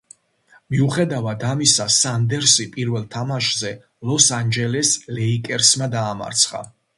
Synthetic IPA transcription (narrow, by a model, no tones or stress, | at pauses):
miuχɛd̪avad̪amisasand̪ɛɾsipʼiɾvɛlˠt̪ʰamaʃzɛ | lˠɔsand͡ʒɛlɛslɛikʼɛɾsmad̪aːma̰ɾt̪sʰχa̰